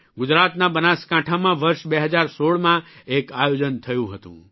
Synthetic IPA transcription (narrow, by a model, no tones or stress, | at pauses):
ɡʊd͡ʒɾat̪nabənaskãʈʰamãʋəɾʃbeɦəd͡ʒaɾsoɭmãekajod͡ʒənt̪ʰəjũɦət̪ṵ̃